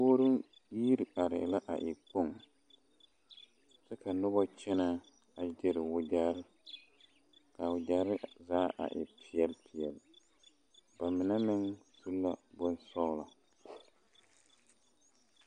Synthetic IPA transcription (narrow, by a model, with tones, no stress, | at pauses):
poː˦ɾʊ˦ŋ | jiː˦ɾɪ˨a˨ɾɪ̰˨la˦ʔa̰˨ʔɪ˨k͡pʊ˦˨ŋ | sɛ˦ka˨nʊ˦bɔ˦t͡ʃɛ˦na˦ | a˨d͡ʒɛ˨ɾɪ˨wʊ˨d͡ʒa˦ɾɪ˦ | ka˨wʊ˨d͡ʒa˨ɾɪ˦zaː˦ʔa̰˨ʔɪ̰˨pʰɪ˨˦ɛ˨lpʰi˨jɛ˨l | b̥a˨mɪ˨na˦mɪ˦ŋtu˦lːa˦bʊ˦nsɔ˦la˨